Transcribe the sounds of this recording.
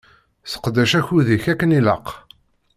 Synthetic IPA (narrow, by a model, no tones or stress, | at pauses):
θə̥qd̪æʃæçuðiçækːənilə̰q